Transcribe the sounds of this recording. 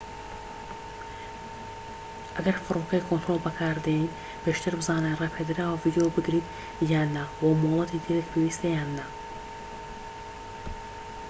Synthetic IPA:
ʔɐɡɐɾfɨɾokɛjkʰont̪ɾolˠbɐkʰaːɾd̪ein | bʰeʃt̪ʰɨɾbɨzaːnerɛpʰed̪ɨɾawaviːd̪ijobɨɡɾiːt̪ | jaːnːawamolˠɐt̪ʰid̪iɾekpʰewist̪ejaːnːa

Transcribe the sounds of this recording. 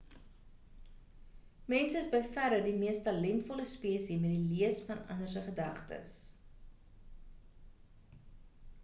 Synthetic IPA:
mɛnsəəsbəjfæɾədimiəstɐlɛntfɔləspiəsimɛt̚diliəsfɐnɐ̰nərs̬əχədɐχtə̰s

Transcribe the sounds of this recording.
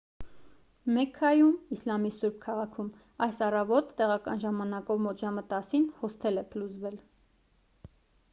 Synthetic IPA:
mɛkʰːɑjumislɑmisuɾb̚kʰɑʁɑkʰum | ɑjsɑrɑvɔt̪ːɛʁɑkɑ̰nʒɑmɑnɑkɔvmɔt̪ʰʒɑmət̪ɑsinhɔst̪ʰɛlɛpʰəlut͡svɛl

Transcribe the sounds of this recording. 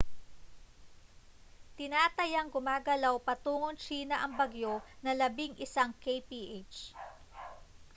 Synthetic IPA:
t̪ɪnaːt̪ɐjɐŋɡʊmaːɡɐlawpɐt̪uːŋont͡ʃiːnɐʔɐŋbɐɡjonɐlɐbɪŋʔɪsaŋkejpiʔet͡ʃ

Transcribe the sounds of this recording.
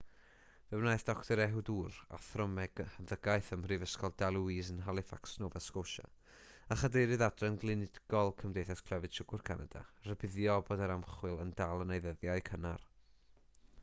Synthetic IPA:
vɛwnaːjθd̥ɔktʰɔɾɛɦʊduːra̰θrɔmɛɡ̥ənðəɡajθəmrivəskɔlˠdalˠuiːzənɦalˠɪfaksnoːvɛskoʃa̰ | aχadeɾɨðadrɛnɡlˠɨnɪdɡ̥ɔlˠkʰəmdejθaskʰlɛvɨd̥t͡ʃʰʊɡ̥ʊrkʰana̰da̰rəbɪðjɔbɔːdaɾamχwɨlˠəndalˠənejðəðjaɨkʰəna̰r

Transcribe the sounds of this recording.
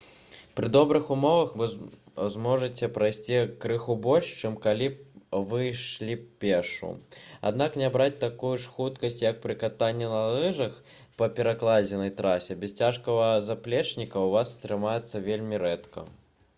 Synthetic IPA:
pɾɨd̪ɔbɾɨxumɔvɐxvɨzmɔʐɨt͡sʲɛpɾajsʲt͡sʲikɾɨxubɔlʲʂt͡ʂɛmkalʲivɨʂlʲipʲɛʂṵa̰d̪naknʲɛbɾat͡sʲt̪akujuʂxut̪kɐsʲtʲt͡sʲjɐk̚pɾɨkat̪anʲːɛnɐlˠɛʐɐx | pɐpʲɛɾaklˠad͡zʲɛnɐjt̪ɾasʲɛbʲɛst͡sʲaʂkɐvɐzaplʲɛt͡ʂnʲikɐwvast̪ɾɨmajɛt̪sːɐvʲelʲmʲiɾɛt̪kɐ̰

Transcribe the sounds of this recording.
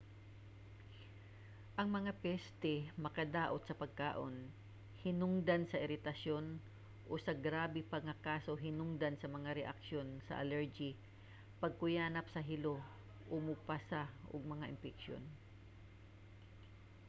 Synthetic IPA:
ʔɐŋmɐŋapɛst̪ɛmɐkɐd̪aːʔot̪̚sɐpɐɡ̚ka̰ːʔo̰n | hɪnʊŋd̪ansɐʔɪɾɪt̪ɐʃjo̞n | ʔosɐɡɾaːbɪpɐɡɐkaːso̞ɦɪnʊŋd̪ansɐmɐŋaɾɛʔɐ̰kʃo̞nsɐ̰ʔɐ̰lɛɹd͡ʒi | pɐɡ̚kʊjaːnɐpsɐɦɪlo̞ | ʔomupasaʔo̰ɡ̚mɐŋaʔɪmpɪkʃjo̰n

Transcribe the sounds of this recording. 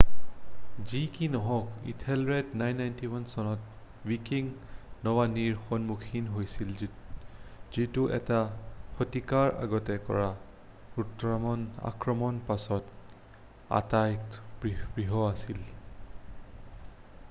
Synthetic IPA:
zikinɔɦɔkḭtʰɛlɹɛdnajnːajntiwansɔnɔt | wikiŋnɔwaniɹxonmukʰinɦojsil | z̥ituʔɛ̰tahotikaɹa̰ɡɔtɛkɔ̰ɹa | utɹamɔna̰kɹɔmɔnpasɔt | a̰tajtbibɹiɦɔasil

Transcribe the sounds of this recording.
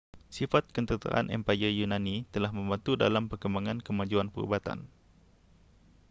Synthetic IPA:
sifat̪̚kənt̪ət̪a̰ʔa̰nʔɛ̰mpajəjunãnit̪əlahmə̃mbant̪uda̰lampərkəmbaŋankəmad͡ʒuanpəɾṵbat̪a̰n

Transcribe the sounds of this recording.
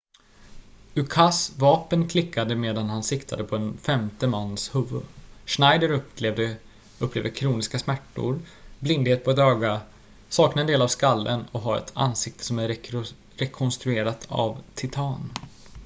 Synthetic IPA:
ɵkʰasvɑːpənkʰlɪkʰːad̪əmeːd̪anhansɪkt̪ʰa̰d̪əpʰɔɛnfɛmt̪əmanːshɵvːɵ̰ʂnajd̪əɾ | ɵpːleːvd̪əkʰɾuːnɪskasmæʈːʊ̰ɾblɪnd̪heːt̪̚pʰɔɛt̪øːɡa | sɑːknaɛnd̪eːlavskalːʔə̰nɔkɦaɾɛ̰t̪ʰa̰nsɪk̚t̪ʰə̥sɔmæ | ɾɛkʰɔnst̪ɾɵeːɾat̪a̰vt̪ʰɪt̪ʰɑːn

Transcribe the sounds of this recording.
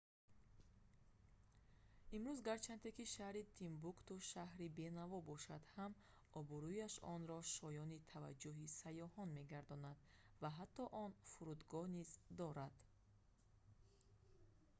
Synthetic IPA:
imɾuzɡaɾt͡ʃʰant̪e̞kiʃahɾit̪ʰimbukt̪uʃaɦɾibe̞navɔbɔʃad̪ham | ɔbuɾujaʃɔnɾɔʃɔjɔnit̪ʰava̰d͡ʒːuɦisajɔhɔnme̞ɡaɾd̪ɔnad̪vaɦat̪ʰːɔʔɔnfuɾud̪ɡɔhnizd̪ɔɾad̪̥

